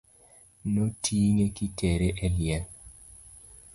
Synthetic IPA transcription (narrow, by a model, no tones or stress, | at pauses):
notʰiŋekitɛɾeʔɛljɛn